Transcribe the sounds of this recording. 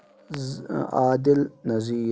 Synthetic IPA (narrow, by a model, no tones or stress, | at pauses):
aːd̪ɪlnɐziː